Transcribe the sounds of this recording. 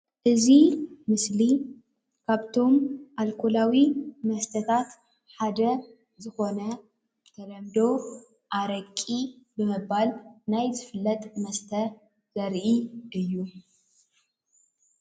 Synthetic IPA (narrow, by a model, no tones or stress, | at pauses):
ʔɨzimɨsli | kʰaβt̪ʰo̞mʔalkʰolawimɐst̪ʰɐt̪ʰat̪ | ħad̪ɐ | zɨxo̞nɐ | t̪ʰɐɾɐmd̪o̞ | ʔaɾɐkʼːibɨmɨbalnajzɨfɨlːɐt̪ʼmɐst̪ʰɐ | z̥ɐɾʔiʔɨjːu